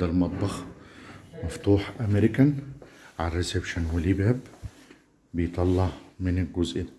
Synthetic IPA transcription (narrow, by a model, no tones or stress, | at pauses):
ælmɑt̪ˤbɑx | mæft̪uːħʔæmeɾɪkænʕarːesebʃænwelibhæb | bejt̪ˤɑlːɑʕmɪnɪlɡʊzʔɪ